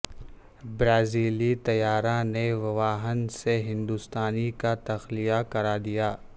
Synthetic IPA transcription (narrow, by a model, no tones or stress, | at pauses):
bɾaːziːlit̪ɐjaːɾãneʋɐʋaːɦənseɦɪ̃nd̪ʊst̪aːnikat̪ɐxlijakɐɾaːd̪ijaː